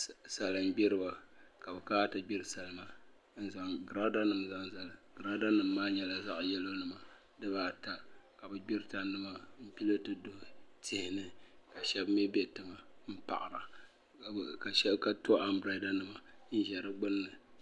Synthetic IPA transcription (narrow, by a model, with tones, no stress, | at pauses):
sa˨lɨ˨m˦ɡ͡bi˦ɾɨ˦ba˨ka˨bɨ˨kaː˦tɨ˨ɡ͡bi˦ɾɨ˨sa˨lɨ˦ma˨ | n̩˦za˨˦ŋɡɾa˦da˦nɨ˨mza˦ŋza˨lɨ˨ɡɾa˦da˦nɨ˨m̩ː˦aː˦ɲɛ˦la˨za˦ʔjɛ˦lo˦nɨ˨ma˨ | dɨ˦baː˨ta˦ka˨bɨ˨ɡ͡bi˦ɾɨ˦ta˨nɨ˦ma˦m̩˦pi˦lɨ˦tɨ˦do˨tɪ˦hɪ˨nɨ˦ka˨ʃɛ˦bm˦ɛ˦bɛ˦tɨ˨ma˨m̩˦pa̰˨ʔɾa˨ | ka˨ʃɛ˦bka˦to˦ʔa˨mbɾa˨˦da˦nɨ˨ma˨n̩˦ʒɛ˨ɾɨ˦ɡ͡bʊ˦nːɨ˨